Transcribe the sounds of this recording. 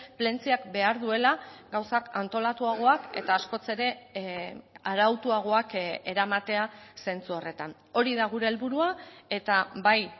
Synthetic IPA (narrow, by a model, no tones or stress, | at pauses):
ple̞nt͡siakbe̞aɾðue̞laɡawsakant̪o̞lat̪uaɣ̞o̞ake̞̰t̪aːsko̞t͡se̞ɾe̞ | aɾawt̪uaɣ̞o̞ake̞ɾamat̪e̞ase̞nt͡suore̞t̪an | o̞ɾiðaɣ̞uɾe̞ːlβuɾuae̞t̪abaj